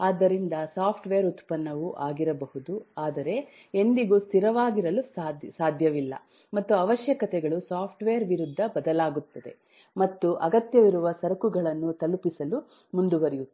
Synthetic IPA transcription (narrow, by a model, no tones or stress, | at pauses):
aːd̪ːɐɾind̪ɐsaːpʰʈʋeːɾut̪pɐnːɐʋuʔaːɡiɾɐbɐɦud̪uaːd̪ɐɾe̞ | end̪iɡuːst̪ʰiɾɐʋaːɡiɾɐlussaːd̪ʱjɐʋilːɐ̰ | mɐt̪ːuɐʋɐʃjɐkɐt̪ɛɡɐɭusaːpʰʈʋeːɐɾʋiɾud̪ʱːɐbɐd̪ɐlaːɡut̪ːɐd̪e̞̰ | mɐt̪ːuʔɐɡɐt̪jɐʋiɾuʋɐsɐɾɐkuɡɐɭɐnːut̪ɐlupisɐlu | mund̪uʋɐɾiju